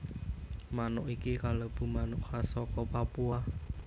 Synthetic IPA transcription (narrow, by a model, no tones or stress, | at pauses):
manʊʔikikaləb̥ṳmanʊʔsasɔkɔpapua